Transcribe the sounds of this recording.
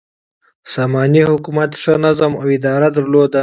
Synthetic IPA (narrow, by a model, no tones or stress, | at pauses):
sɑmɑnihʊkumat̪ʂənazamawɪd̪ɑɾad̪aɾlod̪a